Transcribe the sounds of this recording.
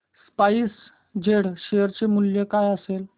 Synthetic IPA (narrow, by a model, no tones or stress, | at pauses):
spais | d͡ʑeɽɕeəɾt͡ɕemuljekajəsel